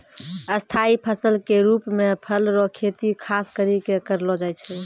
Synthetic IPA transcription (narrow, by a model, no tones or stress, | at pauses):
əst̪ʰaipʰəsəlkeɾupmepʰəlɾɔkʰet̪ikʰaskəɾikekəɾlɔd͡ʒajt͡ʃʰɛ